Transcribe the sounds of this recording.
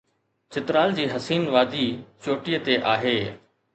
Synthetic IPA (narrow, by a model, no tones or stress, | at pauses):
t͡ɕɪt̪ɾaːld͡ʑiːɦɐsiːnʋaːd̪ʱiːt͡ɕoːʈijət̪eʔaːɦeː